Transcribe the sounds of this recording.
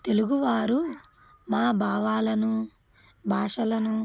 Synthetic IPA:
t̪e̞luɡuʋaːɾu | maːbʱaːʋaːlɐnu | bʱaːʂɐlɐnu

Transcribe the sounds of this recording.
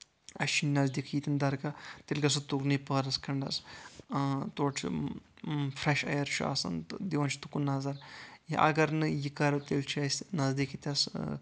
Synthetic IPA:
ɐ̰ʃinnɐzd̪ikʰjit̪ʲind̪ɐɾkat̪elʲɡɐs̬ut̪uknɐpɐɾɐskʰɐɳɖɐs | t̪oːʈʰ | fɾeʃɐ̰jɐɾt͡ʃʰua̰ːsɐ̰nd̪iʋɐnt͡ʃʰi̥t̪ukunaːzɐɾjiʔɐ̰ɡɐɾnɨjikɐɾɐt̪elt͡ʃʰɐsʲnɐzd̪ikʰit̪ʲɐs

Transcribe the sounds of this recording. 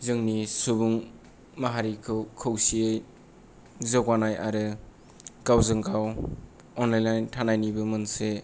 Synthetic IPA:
zɯŋnisubuŋ | maɦaɾikʰɯwkʰɯwsiej | zəɡwanajaɾɯ | ɡ̥awzɯŋɡʰaw | ɔnlajnajntʰanajnibɯmɯnse

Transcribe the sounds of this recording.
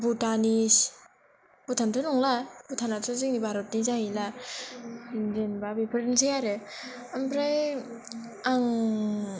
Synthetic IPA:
butanis | put̪ʰant̪ʰonuŋlabut̪ʰanat͡sʰozik̚nibaɾot̚nid͡ʒajila | ndenbabipʰəɾnsʰejaɾeampɾaj | aŋ

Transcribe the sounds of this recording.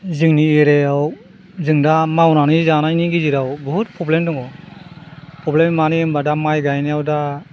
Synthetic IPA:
zɯŋnieɾeaw | zɯŋdamawnanizanajniɡiziɾawbɔɦut̚pʰɔblemdɔŋɔ | pʰɔblemmaniɯmbadamajɡajnijawda

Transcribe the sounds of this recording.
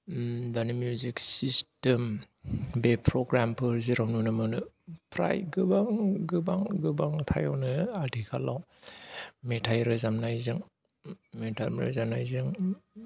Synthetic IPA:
danɯmjuziksistem | bepʰɾɔɡɾampʰɯɾziɾawnunɯmɯnɯ | pʰɾa̰jɡɯbaŋɡɯbaŋɡɯbaŋtʰa̰jɔwnɯadikʰalaw | metʰajɾɯzamnajzɯŋ | metʰalmɾɯ̰zamnajzɯŋ

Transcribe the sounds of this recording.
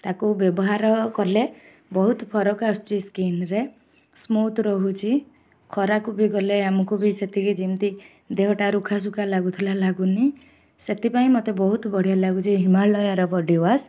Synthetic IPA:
t̪akubjɔbɔɦaɾɔkɔle | bɔɦut̪ɔpʰɔɾɔkasʈiskinɾe | smot̪ɾɔɦut͡ʃʰi | kʰɔɾakubiɡɔleamɔkubiset̪iked͡ʒimt̪i | d̪eɦɔʈaɾukʰas̬ukalaɡut̪ʰilalaɡuni | set̪ipaĩmot̪ebɔɦut̪bɔɽ̤ijalaɡut͡ʃʰiɦimalɔjaɾɔbɔɖiwas

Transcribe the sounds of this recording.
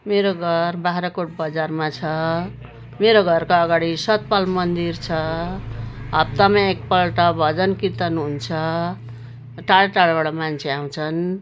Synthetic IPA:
meɾoɡʱʌrbaɾʌkoʈ̚bʌd͡zarmat͡sʰʌ | meɾoɡʱʌrkoʌɡaɽisʌt̪̚palmʌnd̪irt͡sʰʌ | ʌb̚t̪ʌmaek̚pʌlʈʌbʱʌd͡zʌnkit̪ʌnɦunt͡sʰʌ | ʈaɭʈaɭbaɽamant͡sʰeaw̃t͡sʰʌn

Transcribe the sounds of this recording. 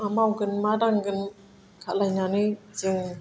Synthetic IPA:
amawɡɯnmadaŋɡɯn | kʰalajnanizɯŋ

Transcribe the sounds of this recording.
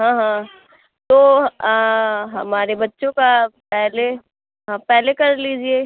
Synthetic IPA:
ɦãːɦã | t̪oː | ɦɐmaːɾebɐtːʃõkapɛɦle | ɦãpɛɦlekɐɾliːd͡ʒieː

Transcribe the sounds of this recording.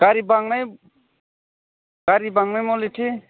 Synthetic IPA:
ɡ̥aɾibaŋnaj | ɡ̥aɾibaŋnajmɔliʈʰi

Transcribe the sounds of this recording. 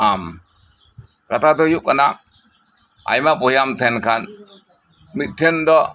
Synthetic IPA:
am | kat̪ʰad̪ɔjuʔkana | a̰jmapɔɦijamt̪ʰɛnkʰan | mit̪̚ʈʰɛnd̪ɔ

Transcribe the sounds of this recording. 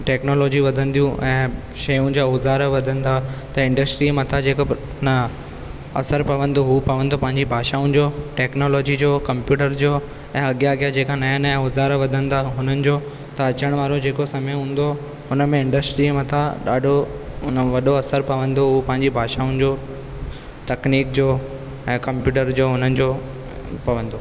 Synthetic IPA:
ʈɛːknoːlɔːd͡ʑiʋɐd̪ʱə̃nd̪ijũʔɛ̃ː | ʃɐjũd͡ʑaʊzaːɾʋɐd̪ʱə̃nɪ̆d̪ʰat̪ɐɪ̃ɳɖəsʈɾiːmɐt̪ʰad͡ʑeːko | ʊnə | ɐ̰səɾpɐʋə̃nd̪oɦupɐʋə̃nd̪opɐ̃ɦɪ̃ɲd͡ʑibʱaːʃaũn̆d͡ʑoʈɛːknoːloːd͡ʑid͡ʑoːkɐ̃mpjuːʈəɾd͡ʑoː | ɛ̃ːɐɠjaɐɡijad͡ʑeːkanajənaʊzaːɾʋɐd̪ʱə̃nd̪aɦʊnənɪ̆d͡ʑoː | t̪ɐɐt͡ɕəɽ̃ʋaːɾod͡ʑeːkosɐməjɦũːn̆d̪o | ɦʊnə̆mẽɪ̃ɳɖəsʈɾimɐt̪ʰaɗa̰ːɖʱoʊnʋɐɗoɐsəɾpɐʋə̃nd̪oɦupɐ̃ɦɪ̃ɲd͡ʑibʱaːʃaːʊ̃nd͡ʑo | t̪ɐkniːkd͡ʑoː | ɛ̃ːkɐ̃mpjuːʈ̬əɾd͡ʑoːɦʊnənɪ̆d͡ʑoː | pɐʋə̃nd̪o

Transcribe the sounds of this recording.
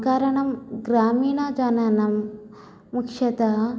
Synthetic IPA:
kaɾɐɳɐmɡɾaːmiːɳɐd͡ʒɐnanɐmː | ukʂɐt̪ɐ

